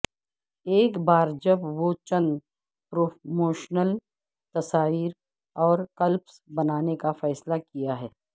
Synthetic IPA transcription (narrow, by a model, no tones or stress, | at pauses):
eːkbaːɾd͡ʒɐbʋot͡ʃɐ̃nd̪ | pɾoːmoːʃnəl | t̪ɐsaːʋiːɾ | ɔːɾkɐlpsbɐnaːnekafɛːslakijaɦɛː